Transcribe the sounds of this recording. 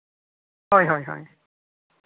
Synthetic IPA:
ɦɔjɦɔjɦɔ̰j

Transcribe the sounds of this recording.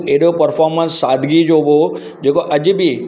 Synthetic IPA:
eɦɗopɐɾfʰɔːɾmə̃nsːaːd̪ʱɡid͡ʑoɦo | d͡ʑeːkoʔɐd͡ʑbi

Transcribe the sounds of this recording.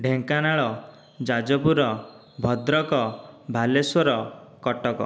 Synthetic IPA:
ɖʱeŋkanaɭɔ | d͡ʒad͡ʒɔpuɾɔ | bʱɔd̪ɾɔkɔbʱaleswɔɾɔkɔʈɔkɔ̰

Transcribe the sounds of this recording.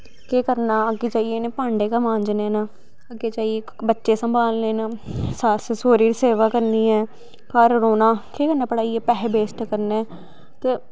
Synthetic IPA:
keːkəɾnaːəɡeːt͡ʃaːijeːneːpãːɳɖeːkəmãːɲd͡ʒneːnaː | əɡeːt͡ʃaːieː | bətːʃeːsəmbʱaːlleːnasassoːɾiːɾseːʋaːkəɾniːɛː | kaːɾɾoːnaːkeːkəɾnaːpəɽaːiɛːpɛːɦbeːsʈkəɾneː | t̪eː

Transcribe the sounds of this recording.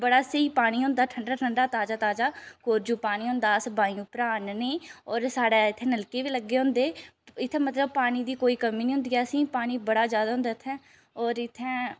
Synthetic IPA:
bəɽaːsəiːpaːɽ̃iːɦʊ̃nd̪aːʈʰəɳɖaːʈʰəɳɖaːt̪aːd͡ʒaːt̪aːd͡ʒaːkoːɾd͡ʒuːpaːɽ̃iːɦʊ̃nd̪aːsbaːĩũːpəɾaːnːiːɔːɾsaːɽaːɪt̪ʰːẽːnəlkeːʋiːləɡːeːɦʊ̃nd̪eːɪt̪ʰːẽːmət̪ləb̚paːɽ̃iːd̪iːkoːiːkəmiːnĩːɦʊ̃nd̪iːaːsĩːpaːɽ̃iːbəɽaːzjaːd̪aːɦʊ̃nd̪aːt̪ʰːɛ̃ː | ɔːɾɪt̪ʰːɛ̃ː

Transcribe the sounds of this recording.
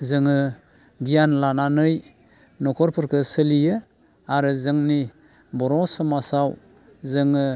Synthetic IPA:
zɯŋɯ | ɡijanlananɯj | nɔkʰɔɾpʰɯɾkʰɯsɯlijɯ | aɾɯzɯŋni | bɔɾɔsɔmasaw | zɯŋɯ

